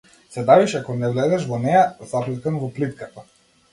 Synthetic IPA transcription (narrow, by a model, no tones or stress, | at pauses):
sɛb̪aviʃakɔnɛvlɛd̪ɛʃvɔnɛjazaplɛkanvɔplit̪kat̪a